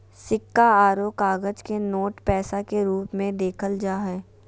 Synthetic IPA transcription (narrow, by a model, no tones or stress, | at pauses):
sɪkːaaːɾoːkaːɡəd͡ʒkenoːʈpɛːsakeɾuːpmẽd̪eːkʰəld͡ʒaːɦɛː